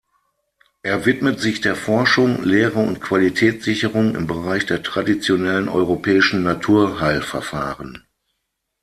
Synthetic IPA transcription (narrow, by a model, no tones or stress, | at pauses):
ʔeːɐvɪtmətz̥ɪçd̥eːɐfɔɐʃʊŋleːʁəʊ̰ntkv̥alitʰɛːt͡sz̥ɪçəʁʊŋɪ̰mbəʁaɪçd̥eːɐtʁ̥adit͡sjonɛlənɔ̰ʏʁopʰɛːɪʃn̩natʰuːɐɦaɪlfɛɐfa̰ːʁən